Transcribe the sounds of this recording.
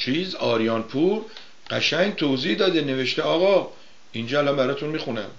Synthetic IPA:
t͡ʃʰiːzɒːɾijɒːnpʰuːɾ | ɢ̥æʃæŋɡt̪ʰoːzihd̪ɒːd̪ene̞ve̞ʃt̪eɒːɣɒ | ind͡ʒɒːælɒmbæɾɒːt̪ʰunmixunæ̰m

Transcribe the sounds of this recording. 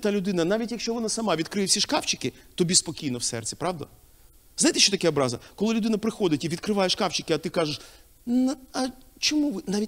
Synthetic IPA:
t̪alʲʊd̪ɪnɐnaʋʲitʲjɐkʃt͡ʃɔʋɔnasɐmɑʋʲid̪kɾɪwsʲiʃkɑwt͡ʃɪ̥kɪt̪ɔbʲispɔkʲijnɔwsɛ̰rt͡sʲi̥pɾɑʋd̪ɐ̰ | zajt̪eʃt͡ʃɔt̪ɐkɛɔbɾɑzɐkɔlˠɪlʲʊd̪ɪnɐpɾɪxɔd̪ɪtʲiid̪̚kɾɪʋɑjeʃkɑwt͡ʃɪkʲɪɐt̪ɪkɑʒɪʃ | nɐɐt͡ʃɔmuʋɪnaʋʲitʲ

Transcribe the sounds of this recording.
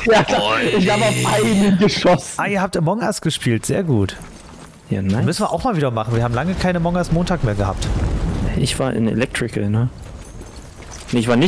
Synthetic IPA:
jaːdaɪç̥aːbaʊfʔaɪnənɡəʃɔsʔaːiːɐɦaːptːmɔɡŋastɡ̥əʃpʰiːltz̥ḛːɐɡuːt | ja̰namʏsn̩viɐʔaʊxmaːlviːdɐmaχn̩viːɐhaːbm̩laŋəkʰaɪnəmɔŋasmoːntʰaːkmeːɐɡəha̰ːp̚t | ɪçv̥aːɐʔɪ̰nḛlɛk̚tʁ̥ɪkanə | neɪçv̥aːnɪ

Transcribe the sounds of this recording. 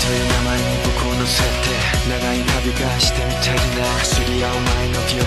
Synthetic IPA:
t̪ojɯ̟ːnamaeɲikokʰoːnosat̪e̞ | naɡaɲʲit̪abʲikaɕi̥t̪emit̪ʰaɾʲina | sɨɾʲiaomaenoɡʲi

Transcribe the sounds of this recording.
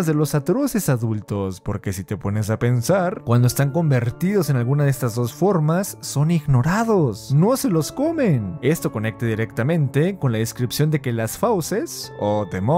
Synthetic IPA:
zðe̞lo̞sat̪ɾo̞se̞saðult̪o̞spo̞ɾke̞sit̪e̞po̞ne̞s̬ape̞nsaɾkwand̪oest̪aŋko̞mbe̞ɾt̪iðo̞se̞nalɣunaðest̪azðo̞sfo̞ɾmasːo̞niɣno̞ɾaðosno̞se̞lo̞sko̞mene̞st̪o̞ko̞ne̞k̚t̪aðiɾe̞kt̪amẽ̞nt̪e̞ko̞nlaðeskɾipsjo̞nd̪e̞ke̞lasfawse̞sot̪emo

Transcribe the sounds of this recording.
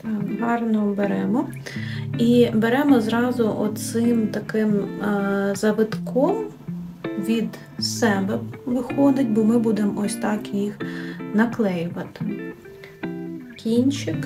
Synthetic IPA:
t̪ɑɦɑrnɔbeɾɛmɔ | ibeɾɛmɔzɾɑzʊʔɔt͡ssɪmt̪ɐkɪm | zɐʋɪt̪kʰɔm | ʋʲid̪ | sɛbɛʋɪxɔd̪ɪtʲbɔmɪbud̪emɔsʲt̪ɑkjixnɐklˠɛjʊʋɐt̪ɪ̥ | kʲinʲt͡ʃɪk

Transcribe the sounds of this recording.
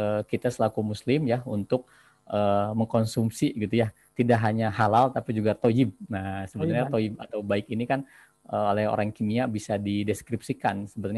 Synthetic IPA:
əkit̪asəlakumuslɪmjahunt̪ʊk̚ | ʔəːməŋkonsumpsiɡit̪uja | t̪idaʔɦaɲahalalt̪apid͡ʒuɡat̪oɪb̚nahsəbət̪ɲat̪oɪb̚a̰t̪awbaɪkinikan | əolɛho̰ɾaŋkimiabisadidɛskɾipsikansəbət̪

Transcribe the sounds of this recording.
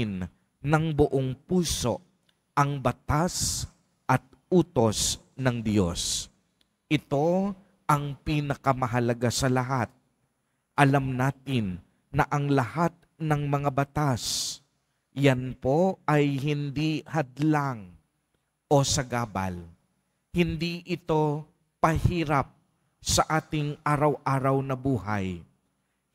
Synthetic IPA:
n | nɐŋbʊʔoŋpuːso̞ | ʔɐŋbɐt̪as | ʔɐt̪̚ʔuːt̪o̞s | nɐŋd̪jo̞̰s | ʔɪt̪o̞ | ʔɐŋpinɐkɐmɐɦɐlɐɡasɐlɐɦat̪̚ | ʔɐlamnaːt̪ɪnː | ɐʔɐŋlɐhat̪̚nɐŋmɐŋabɐt̪as | janpo̞ɐjhɪnd̪ihɐd̪laŋ | ʔo̞sɐɡaːbɐ̰l | hɪnd̪iʔɪt̪o̞ | pɐhiːɾap̚ | sɐʔaːt̪ɪŋʔaːɾɐwʔaːɾɐwnɐbuːɦa̰j

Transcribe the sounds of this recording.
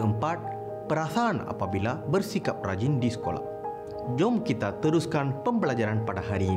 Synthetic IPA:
əmpat̪̚ | pəɾasaːna̰pabilabərsikap̚ra̰d͡ʒindisə̥ko̰la̰ | d͡ʒɔmkit̪at̪əɾuskanpəmbəlad͡ʒaɾanpadaɦaɾi

